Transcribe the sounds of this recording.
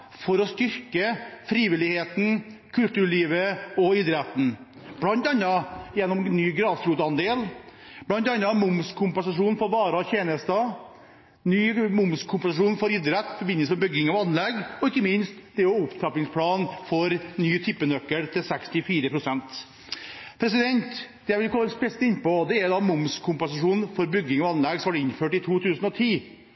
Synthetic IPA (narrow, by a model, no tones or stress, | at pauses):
fɔɾɔst̪ʏɾkəfɾiːʋɪlɪheːt̪n̩kʰʉlt̪ʉːɭiːʋəɔɪd̪ɾɛt̪n̩ | b̥lɑnt̪ɑnːɑjɛnːɔmnyːɡɾɑːsɾuːt̪ɑnd̪eːl | b̥lɑnt̪ɑnːɑmʊmskʰʊmpɛnsɑʂuːnfɔɾʋɑːɾɑɔçeːnəst̪ɑ | nyːmʊmskʰʊmpɛnsɑʂuːnfɔɾɪd̪ɾɛt̪ːfɔɾbɪnːəsmɛbʏɡɪŋɑʋɑnːlɛɡɔɪkːəmɪnst̪d̪ɛɔʊpt̪ʰɾɑplɪŋspʰlɑːnfɔɾnyːt̪ʰɪpːənœkːəlt̪ʰɪlsɛkst̪ɪfiːɾəpʰɾʊsɛnt̪ | pʰɾɛsɪd̪ɛnt̪d̪̥ɛʋɪlkʰɔlːɛnspɛst̪ɪnpɔd̪ɛæɾd̪ɑːmʊmskʰʊmpɛnsɑʂuːnfɔɾbʏɡːɪŋɑʋɑnlɛɡsɔmɑɖɛɪnføːʈɪt̪ʰuːt̪ʰʉːsənɔt̪ʰiː